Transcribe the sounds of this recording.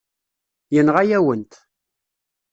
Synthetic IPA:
jənʁajæwənt̪

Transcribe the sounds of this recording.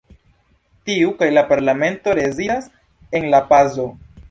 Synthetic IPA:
tiukajlapaɾlame̞nto̞ɾe̞zidas | e̞nlapazo̞

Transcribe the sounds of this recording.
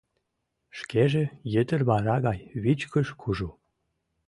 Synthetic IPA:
ʃkeʒejət̪ərβɑɾɑɣɑjβit͡ɕkəʃkʰuʒu

